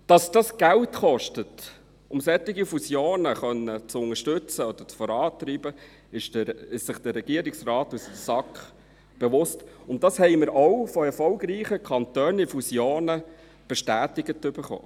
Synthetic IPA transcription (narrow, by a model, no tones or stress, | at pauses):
d̥ɑsd̥ɑsɡ̥æltχɔʃtət | ʊmsɛt̪ːɪɡifusjoːnəχœnːət͡sʊŋəʃtʏt͡səɔd̥̪ət͡sfɔɾɑːt̪ɾiːb̥ə | ɪʃɪʃsɪχd̥əɾːɛɡ̥iəɾɪksrɑːtussɑkχ | b̥eʋʊstʊnt̚ːɑshɛɪmɪɾɔwfɔɛɾfɔlɡɾiːχəkʰɑnt̪œːnifusjoːnə | b̥ɛʃtæːtɪɡətːʏbəɾχo̰ː